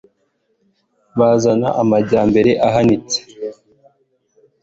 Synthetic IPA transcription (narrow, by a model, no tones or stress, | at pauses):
βazana̰ʔamaɟaːmbe̞ɾe̞ʔaɦanit͡se̥